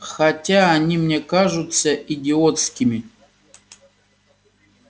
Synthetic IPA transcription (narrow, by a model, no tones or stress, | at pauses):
xatʲaːnʲimnʲekaʐut̪sɐʔidʲɪot̪skʲimʲi